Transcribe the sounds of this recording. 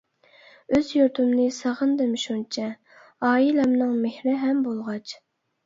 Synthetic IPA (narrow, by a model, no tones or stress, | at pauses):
øzjuɾt̪ʰymnɨsəʁənd̪ɨmʃunt͡ʃʰɛ | ɑːilɛmnɨŋmehɾɪɦɛmbolˠʁɑt͡ʃ